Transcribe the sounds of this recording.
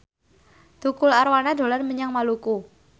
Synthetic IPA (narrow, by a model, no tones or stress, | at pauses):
d̪̥ukʊlaɾwanad̪o̤lanməɲaŋmaluku